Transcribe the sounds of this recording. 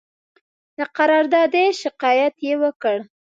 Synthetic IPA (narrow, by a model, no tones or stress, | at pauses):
d̪əqaɾɑɾd̪ɑd̪eʃɪqɑjat̪jewəkəɽ